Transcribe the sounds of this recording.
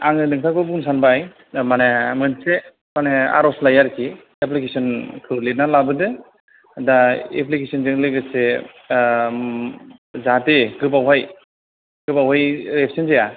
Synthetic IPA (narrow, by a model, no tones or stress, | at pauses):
aŋɯdɯŋtʰakɯbunsanbaj | manemɯnse | manea̰ɾɔslajaɾkʰi | eplikesɔnkʰɯlenalabɯdɯ | daḛplikesɔnzɯŋlɯɡɯse | zateɡɯbawɦaj | ɡɯbawɦajɾepʰsʰɔnzeja